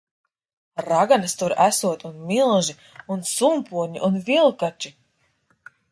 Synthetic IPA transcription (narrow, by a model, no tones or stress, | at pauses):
ɾaɡanɨst̪uɾæsuɔt̪unmilˠʒi | unsumpuɔɲḭʔunvilˠkat͡ʃi